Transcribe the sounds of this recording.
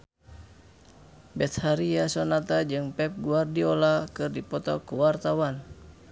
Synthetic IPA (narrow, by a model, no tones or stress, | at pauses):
bɛt̪̚haɾiasɔnat̪ad͡ʒɨŋpɛp̚ɡuardiɔlakɨrdipɔt̪ɔkuwart̪awan